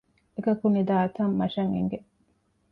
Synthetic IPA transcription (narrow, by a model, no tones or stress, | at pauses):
ekɐkunid̪aːɐt̪ɐmːɐʃɐŋḛŋɡe